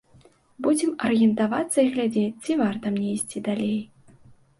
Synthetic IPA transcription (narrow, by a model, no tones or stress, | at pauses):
bud͡zʲɛmɐrjɛnt̪avat̪sːɐiɣlʲad͡zʲet͡sʲt͡sʲivart̪ɐmnʲɛisʲt͡sʲid̪alʲej